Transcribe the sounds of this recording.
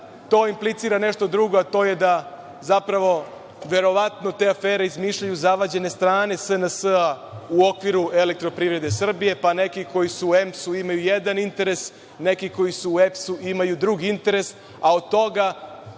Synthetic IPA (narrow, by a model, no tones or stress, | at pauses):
t̪o̞ːimplit̪siːɾane̞ʃt̪o̞d̪ɾuɡo̞at̪o̞ːje̞d̪a | zapɾaʋo̞ | ʋe̞ɾo̞ʋat̪no̞t̪e̞afeːɾeizmiːʃʎajuzaʋad͡ʑe̞ne̞st̪ɾaːne̞sənəsəauokʋiɾue̞le̞k̚t̪ɾo̞pɾiʋɾe̞d̪e̞sr̩bije̞pane̞kiko̞jisuemsuimajujed̪anint̪e̞ɾe̞s | ne̞kiko̞jisuːepsuimajud̪ɾuɡiint̪e̞ɾe̞s | aod̪̚t̪o̞ɡa